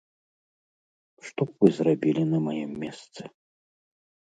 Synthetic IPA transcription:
ʂt̪ɔpvɨzrabʲilʲinɐmajɛmːʲɛst̪sɨ̥

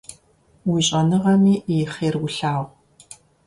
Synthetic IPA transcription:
wiɕʼɐnɨʁɐmiːjχeːrwʊɬaːʁʷ

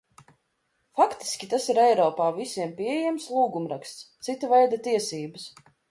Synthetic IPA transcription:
fakt̪i̥skʲit̪asiɾɛjɾɔːpaːvisiɛmpʲiɛejɛmslˠuːɡumɾakst̪st̪sit̪avɛjd̪at̪iɛsiːbɨs

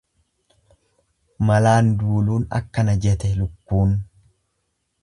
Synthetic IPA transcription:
mɐlaːnd̪uːluːnɐ̰kːɐnɐd͡ʒɛt̪ɛlʊkːuːn

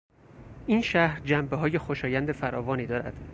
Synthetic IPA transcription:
ʔiːnʃæhɾd͡ʒæmbeɦɒːje̞xo̞ʃɒːjænd̪e̞fæɾɒːvɒːniːd̪ɒːɾæ̰d̪̥

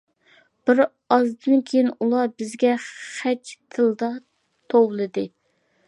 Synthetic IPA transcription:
b̥ɪɾ | ɑzd̪ɨnkʲʰejinulˠɑbɪzɡʲɛχɛt͡ʃt̪ʰɨlˠd̪ɑ | t̪ʰowlˠɨd̪ɨ

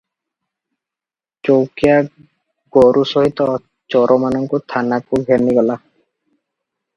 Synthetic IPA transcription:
t͡ʃowkija | ɡ̥ɔɾʔusɔɦit̪ɔ | t͡ʃɔɾʔɔmanɔŋkut̪ʰanakuɡʱɛɾniɡɔla

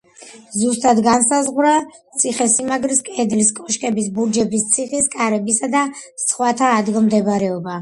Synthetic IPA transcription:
zust̪ʼad̪ɡansazʁwɾat̪sʰiχɛsimaɡɾiskʼɛd̪ɾiskʼɔʃkʼɛbisbuɾd͡ʒɛbist̪sʰiχiskʼaɾɛbisad̪asχwat̪ʰaːd̪ɡilˠmd̪ɛbɾɛɔba

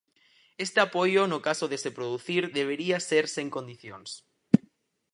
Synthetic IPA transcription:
est̪eapojonokasoðesepɾoðuθiɾðeβ̞eɾiaseɾseŋkõnd̪iθjons

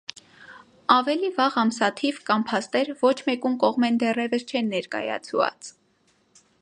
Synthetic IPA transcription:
ɑvɛlivɑʁɑmsɑt̪ʰivkɑmpʰɑst̪ɛɾvɔt͡ʃʰmɛkumkɔʁmɛnd̪ɛrɛvəst͡ʃʰɛnːɛɾkɑ̰jɑ̰t͡sʰvɑ̰t͡s

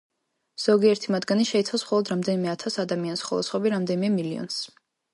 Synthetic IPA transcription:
z̥ɔɡiɛɾt̪ʰimad̪ɡaniʃɛit̪sʰawsmχɔlˠɔd̪ɾamd̪ɛnimɛat̪ʰasad̪amianisχɔlˠɔ̰sʰχwɔbiɾamd̪ɛnimɛmiliɔ̰ns

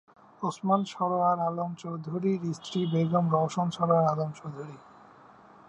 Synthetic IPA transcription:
osmanʃɔɾoaɾalomt͡ɕowd̪ʱoɾiɾist̪ɾibeɡomɾɔʃonʃɔɾoaɾalomt͡ɕowd̪ʱoɾi

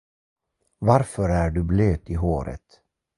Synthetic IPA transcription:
vaɾfœɾæːɖɵbløːt̪ɪɦoːɾə̰t̪

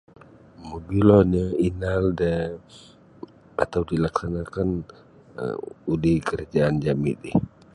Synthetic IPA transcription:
məbilɔɲəinaldə | a̰t̪awdilaksanakan | ə̰udikəɾad͡ʒaːnd͡ʒamḭtih

